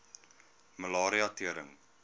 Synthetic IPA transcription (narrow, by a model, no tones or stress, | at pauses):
məlɑːɾiɑtiəɾə̰ŋ